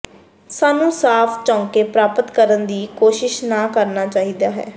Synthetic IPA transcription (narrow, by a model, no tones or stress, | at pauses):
saːnũːsaːpʰt͡ʃãːŋkeːpɾaːpət̪kəɾənd̪iːkoːʃɪʃnaːkəɾnaːt͡ʃaːɦiːd̪aːɦɛ̰ː